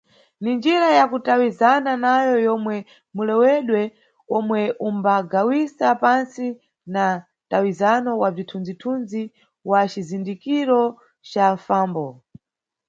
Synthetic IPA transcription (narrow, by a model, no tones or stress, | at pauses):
nind͡ʒiɾajakutawizananajɔjɔmwɛ | mulɛwɛɗwɛ | ɔmwɛʔumbaɡawisapansi | na | tawizanɔwavitʰund͡zitʰund͡zi | wat͡ʃizindikiɾɔ | t͡ʃafaːmbɔ